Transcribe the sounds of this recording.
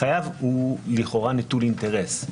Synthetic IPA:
ajavuliχo̞ʁanitulint̪eʁes

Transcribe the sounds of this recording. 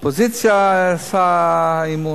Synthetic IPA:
pozit̪sijasaimu

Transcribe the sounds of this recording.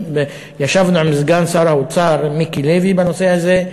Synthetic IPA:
e | jaʃavnualmizɡansaɾhaot͡saɾmikilevibano̞sehaze

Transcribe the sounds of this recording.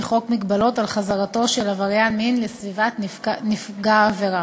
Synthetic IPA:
χo̞kmiɡbalo̞talχazaʁato̞ʃelavaʁjanminlesvivatnifɡaːveʁa

